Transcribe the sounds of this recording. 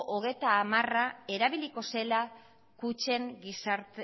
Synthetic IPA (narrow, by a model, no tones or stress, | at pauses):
ʔoɣ̞e̞jt̪aːmarae̞ɾaβiliko̞se̞la | kut͡ʃe̞ŋɡisaɾt̪